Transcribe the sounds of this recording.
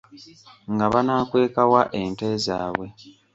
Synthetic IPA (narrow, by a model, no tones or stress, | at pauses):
ŋɡaβanaːkwe̞ːkawaʔe̞nteza̰ːβwe̞